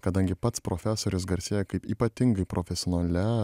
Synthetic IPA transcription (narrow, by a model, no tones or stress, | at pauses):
kɐd̪ɐŋʲɡʲɪpɐt̪spɾofʲæsoːɾʲʊsɡɐɾʲsʲeːjɛkɐɪpiːpɐt̪ʲɪŋɡɐɪpɾofʲɛsʲɪɔːnɐlʲɛ